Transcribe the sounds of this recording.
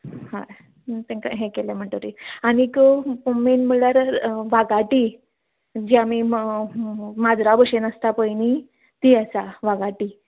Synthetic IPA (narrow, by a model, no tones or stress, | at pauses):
hã | t̪ẽkaɦẽkeljam̤əɳʈ̪oɾianikəpumenm̤əɭlaɾʋaɡaʈi | d͡ʑjami | mad͡zɾabəʂenəst̪apəjni | t̪iəsaʋaɡaʈi